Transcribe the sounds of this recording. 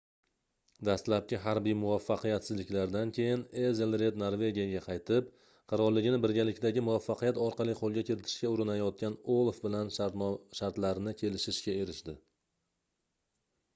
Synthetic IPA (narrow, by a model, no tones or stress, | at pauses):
d̪ast̪lap̚kʲɪɦaɾbijmʊvafːɑqʰɨjat̪sɪzlɪkʲlaɾd̪ankʲʰe̞jɪnezelɾe̞d̪noɾve̞ɡʲijaɡʲaqʰɑjt̪ʰɪp̚ | qʰɑɾɒɾlːɪɡʲɪnɪbɪɾɡʲalɪkʲd̪aɡʲɪmʊvafːɑqʰɨjat̪ɒɾqɑlˠijqʰolˠɡʲakʲʰɪɾɪt̪ʰɪ̥ʃkʲaʊɾɪnajɒt̪̚kʲanolˠfbɪlanʃaɾt̪laɾnɪkʲʰe̞lɪʃɪʃkʲae̞ɾɪʃd̪ɪ